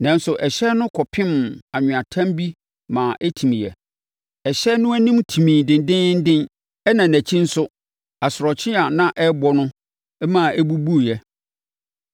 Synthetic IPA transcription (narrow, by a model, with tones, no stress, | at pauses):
nã˦n˦sʊ˨ʔɛ˨ɕɛ˦nʊ̃˦kʰɔ˨pʰɪ̃˦ma˨ɲʊ̃˨ã˨tʰã˦mbi˦ | mã˨ʔæ˦tʰĩ˨mĩ˨jɛ̰˨ | ɛ˨ɕɛ˦nʊ̃˦æ˦nĩ˦mtʰĩ˨mĩː˨dɪ̃˨ndɪ̃˦n̩˦dɪ̃˦n | ɛ˦nã˨næ̃˨t͡ɕʰĩ˦n̩˦sʊ˦ | a˨sʊ˨ɾɔ˨t͡ɕʰɪ˦a˨nã˦ʔɛ˦bɔ˦nʊ̃˦ | ɛ˦mã˨æ˦bu˦bu˦˨jɛ˨